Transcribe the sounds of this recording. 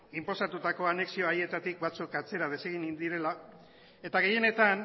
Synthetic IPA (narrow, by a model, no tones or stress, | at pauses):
impo̞sat̪ut̪ako̞ane̞ksio̞aie̞t̪at̪ik̚bat͡sukat͡se̞ɾað̞e̞se̞ɣ̞inind̪iɾe̞la | e̞t̪aɣ̞e̞je̞ne̞t̪an